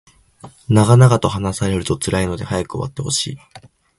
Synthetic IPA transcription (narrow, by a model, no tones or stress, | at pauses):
naɡanaɡat̪o̞hanasaɾe̞ɾɯ̟t̪o̞t͡sɨɾaino̞d̪e̞hajakɯoβa̰t̪ːe̞ho̞̰ɕḭː